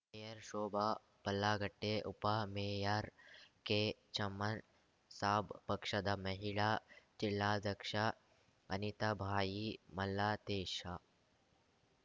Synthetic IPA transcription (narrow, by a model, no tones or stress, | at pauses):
mmejɐɾʃoːbʱa | pɐlːaːɡɐʈːeʔupameːjaːɾket͡ʃɐmːɐn | saːbpɐkʂɐd̪ɐmɐɦiɭat͡ʃilːaːd͡zɐkʂa | ɐnit̪ɐbʱaːjimɐlːaːt̪eːʃa